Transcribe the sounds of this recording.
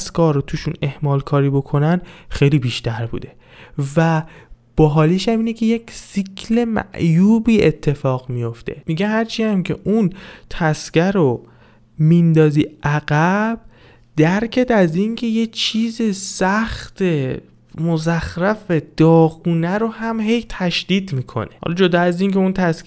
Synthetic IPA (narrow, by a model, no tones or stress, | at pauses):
skʰɒːɾot̪ʰuːʃune̞hmɒːlkʰɒːɾiːbo̞kʰo̞nænxe̞jliːbiːʃt̪æɾbṵːd̪e̞ | væb̥ɒːɦɒːliʃæmiːnecʰe̞je̞cʰsicʰle̞mæ̰ʔjuːbiːe̞t̪ʰːe̞fɒːɣmijo̞ft̪e̞̰miɟeɦæɾt͡ʃʰiæmcʰe̞̰ʔunt̪ʰæskæɾo | mind̪ɒːziːʔæɣæb̥̚ | d̪æɾcʰed̪æzincʰe̞jet͡ʃʰiːzesæxt̪ʰe | mozæxɾæfed̪̥ɒːɣuːnæɾohæmhe̞jt̪ʰæʃd̪̥iːd̪miːkʰo̞̰neɒ̰lɒd͡ʒod̪ɒæziːncʰeunt̪ʰæsk